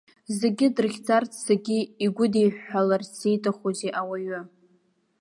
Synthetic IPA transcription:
zeɡʲɪdɨrχʲd͡zart͡sʰsaɡʲɪiɡʷʊdejħalarse̞jtʼaχozeʔawaɥʊ

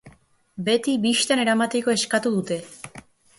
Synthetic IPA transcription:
bet̪ibiʃt̪aneɾamat̪ikoeskat̪ud̪ut̪e

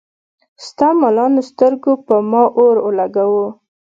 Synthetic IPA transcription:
st̪ɑmalɑnost̪əɾɡopəmɑʔoɾolaɡawo

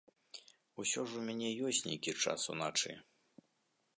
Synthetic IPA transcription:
usʲɔʐumʲanʲɛjɔsʲtʲnʲḛjkʲit͡ʂa̰sṵnat͡ʂɨ̰

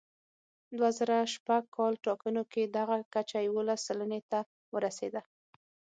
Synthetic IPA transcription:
d̪wazaɾaʃpaɡ̚kʰɑlʈɑkənoked̪aɣakat͡ʃajawolasːalanet̪a | wəɾased̪a

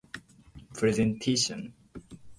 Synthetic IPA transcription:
pʰɹɛzɛ̃ntʰeʃə̃n

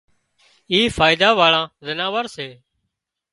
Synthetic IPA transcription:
iːfʰaːɪd̪aːʋaːɭãːzənãːʋəɾseː

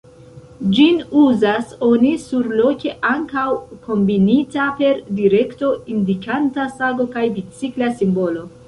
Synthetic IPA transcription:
d͡ʒinuzaso̞nisuɾlo̞kʲe̞ʔaŋkawko̞mbinitape̞ɾdiɾe̞kto̞indikantasaɡo̞kajbit͡siklasimbo̞lo̞

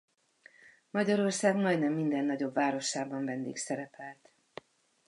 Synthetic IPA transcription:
mɒɟɒɾo̞rsaːɡmɒjd̪nɛmːind̪ɛnːɒɟo̞bvaːɾo̞ʃaːbɒɱvɛnd̪ḭːksɛɾɛpɛlt̪

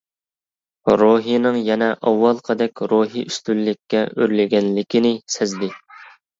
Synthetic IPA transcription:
ɾoɦijnɨŋjɛnɛʔɑwːɑlˠqʰəd̪ɛkʲɾoɦiʔyst̪ylːɪkʲʰːɛʔøɾlɪɡʲɛnlɪkʲinɪsɛzd̪ɪ

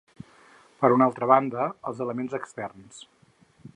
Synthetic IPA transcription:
pəɾunalˠt̪ɾəβand̪əə̰lˠzələmenzəkst̪ɛrns

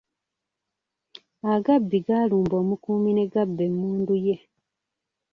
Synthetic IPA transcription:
aɡabːiɡaluːmbo̞ːmukuːmine̞ɡabːe̞mːuːnduje̞

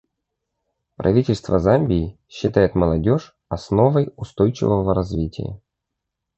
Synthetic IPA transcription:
pɾʔɐ̰vʲitʲɪlʲst̪vəzamʲbʲɪː | ɕːɪt̪ajɪt̪məlˠɐdʲo̞ʂ | ɐsno̞vəjʊst̪o̞jt͡ɕɪ̰vəvəɾɐzvʲitʲɪ̰jə̰

